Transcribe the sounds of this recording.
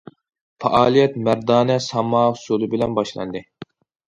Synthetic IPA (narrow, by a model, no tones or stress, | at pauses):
fɑ̰ʔɑːlˠijɛt̪mæɾd̪ɑːnɛsɑmɑːʊsolˠɨbɪlɛnbɑʃlˠɑ̰nd̪ɨ